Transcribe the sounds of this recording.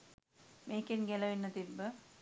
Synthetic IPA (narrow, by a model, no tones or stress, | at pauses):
mʔeːkinɡelɐʋinːət̪ibːə